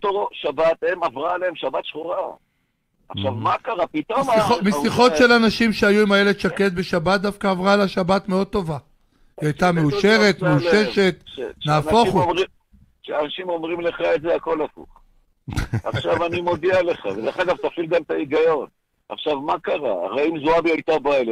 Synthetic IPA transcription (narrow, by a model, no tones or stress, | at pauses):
t̪oʃabat̪emavʁaːleemʃabat̪ʃχuʁa | aʃavmakaʁapit̪omomesiχo̞tʃe̞lanaʃimʃeajuimajeled̪ʃaket̪̚be̞ʃabat̪̚d̪afkaːvʁaelaʃabat̪me̞o̞d̪̚t̪o̞va | iajt̪ameuʃe̞ʁe̞t̪meuʃe̞ʃe̞t̪naːo̞χumi | ʃeanaʃimo̞mʁimle̞χaezeako̞lafṵχ | a̰χʃavanimod̪ialeχa̰vedeχaɡavt̪afilɡamt̪aiɡajo̞n | a̰χʃavmakaʁa̰a̰ʁaimzuabiajt̪abale